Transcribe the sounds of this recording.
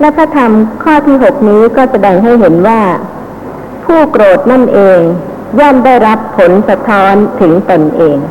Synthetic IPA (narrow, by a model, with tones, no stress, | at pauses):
lɛ˦˥pʰɾa˦˥t̪ʰa˧mkʰɔː˥˩t̪ʰiː˥˩ɦo˨˩k̚niː˦˥kɔː˥˩sa˧dɛː˧ŋɦa˥˩jɦe˩˦nwaː˥˩ | pʰuː˥˩kɾoː˨˩t̪̚na˥˩nʔeː˧ŋ | jɔː˥˩mda˥˩jɾa˦˥pʰːo˩˦nsa˧t̪ʰːɔː˦˥nt̪ʰɯ˩˦ŋt̪o˧nʔeː˧ŋ